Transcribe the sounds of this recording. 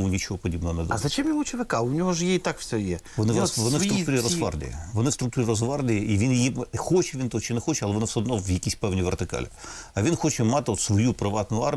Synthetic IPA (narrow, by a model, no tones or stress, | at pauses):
ʊnʲit͡ʃɦɔpɔdʲibnɔɦɔnɛd̪ɐzɐt͡ʃɛmjiʊt͡ʃɪʋɪkɑʊnʲɔɦɔʒjeit̪akfsʲɔjɛʋɔnɪʋɔnɪst̪ɾʊt̪uɾʲirɔzʋɑ̰rd̪ʲɪ̰jɐ̰ʋɔnɪfst̪ɾʊk̚t̪uɾʲirɔzʋɑrd̪ʲɪjɐiʋʲinjjixɔt͡ʃɛʋʲint̪ɔɔt͡ʃɪnɛxɔt͡ʃɛɐlˠɛʋɔnɪwsʲɛɔd̪nɔʋjɐkʲisʲpɛwnʲiʋert̪ɪkɑ̰lʲɪɐʋʲinxɔt͡ʃɛmɑt̪ɪɔt̪sʋɔjupɾɪʋɑt̪nʊɑr